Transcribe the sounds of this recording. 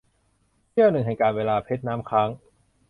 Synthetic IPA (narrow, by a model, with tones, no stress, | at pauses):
t͡ɕʰi˥˩əwnɯ˨˩ŋɦɛ˨˩kaː˧nweː˧laː˧pʰe˦˥t̪̚naː˦˥mkʰaː˦˥ŋ